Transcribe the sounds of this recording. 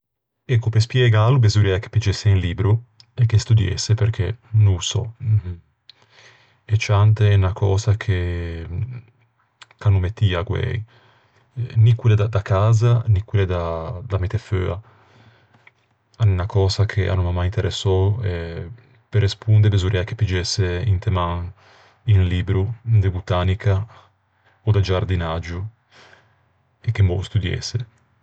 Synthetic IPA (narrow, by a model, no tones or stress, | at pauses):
ɛkːopespjeɡalubezuɾɛke̥pːid͡ʒesːeinliːbɾu | ekːest̪ud̪jḛsːepeɾkʰḛnusɔ̰ | et͡ʃant̪eɛnakʰɔːsakʰe | kanumet̪ːiːaɡwɛ̰j | nikwiled̪ad̪akaːzanikwiled̪ad̪amet̪efø̰a | anenakɔːzakʰeʔa̰numamajint̪eɾʔɛsːɔɛ | peɾespund̪ebezuɾʔɛake̥pːid͡ʒɛsːeint̪emaŋ | iŋliːbɾud̪ebut̪aːnikʰa | od̪ad͡ʒaɾd̪inad͡ʒu | ekːembɔ̰st̪ud̪jɛ̰sːe